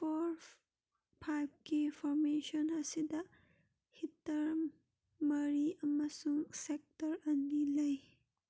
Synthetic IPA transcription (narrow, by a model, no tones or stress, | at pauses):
pʰoɾ | pʰajb̚kipʰɔɾmesɔnɐsidɐ | hitːɐɾ | mɐɾiɐmɐsuŋsek̚tɐɾɐnilɐj